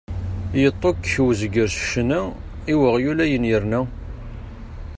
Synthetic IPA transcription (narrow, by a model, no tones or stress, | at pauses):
jət̪ˤːokwzəɡəɾsə̥ʃnæ | iwəʁjulæjənjəɾnæ